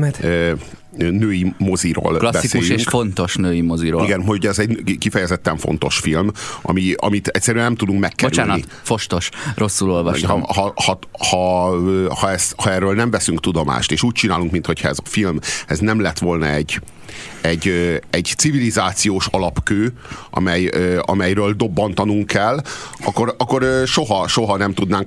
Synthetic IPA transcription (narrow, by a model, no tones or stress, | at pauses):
nøːjimoziɾo̰ːlklɒsbsikeuːjʃyeŋkʃfont̪o̞ʃnøːjimoziɾoːiɡɛnɦouɟɛzɛɟkifɛjɛzɛt̪ːɛɱfo̞̰n̪t̪o̞ʃfilmʔɒ̰miɒ̰mit̪ɛcʲsːɛɾyɛnɛmt̪ud̪uŋkmɛkːɛoɾyaːnit̪ | foʃt̪oʃro̞sːulolvɒʃhhɒhɒhɒ | hɒɛst̪hɒɛrøːlnɛɱvɛsyŋkt̪ud̪o̞ma̰ːʃt̪eːʃuːc̚t͡ʃinaːluŋkmint̪ho̞cʰhɒɛzɒfilmɛznɛmlɛt̪ʋo̞lnɒɛɟː | ɛɟøɛɟt̪sivilizaːt̪sijoːʃɒlɒpkøː | ʔɒ̰mɛjøɒ̰mɛjɾøːld̪o̞bːɒn̪t̪ɒnuŋkʰːɛlɒkːorɒkːo̞røʃo̞ɦɒʃo̞ɦɒnɛmt̪ud̪naːŋk